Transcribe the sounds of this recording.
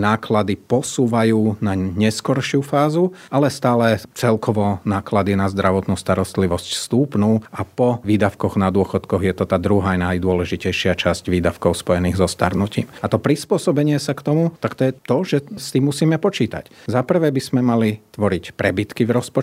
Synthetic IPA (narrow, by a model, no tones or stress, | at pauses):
naːklad̪ipɔsuːʋajuːnaɲɛskɔɾʃɪufaːzuʔalɛst̪aːlɛt͡sɛlkɔʋɔnaːklad̪inazd̪ɾʔaʋɔt̪nuːst̪aɾɔst̪liʋɔscst̪uːpnuːapɔʋiːd̪aʊkɔɣnad̪ʊɔxɔt̪kɔɣjɛt̪ɔt̪aːd̪ɾuɦajnajd̪ʊɔlɛʒicɛjʃɪat͡ʃascʋiːd̪afkɔʊspɔjɛniːɣzɔst̪a̰ɾnucḭːmat̪ɔpɾispʊɔsɔbɛɲɪɛsakt̪ɔmut̪akt̪ɔjɛt̪ɔʒɛst̪iːmːusiːmɛpɔt͡ʃiːt̪a̰czapr̩ʋɛːbiz̥mɛmalit̪ʋɔɾicpɾɛbit̪kivɾɔspɔ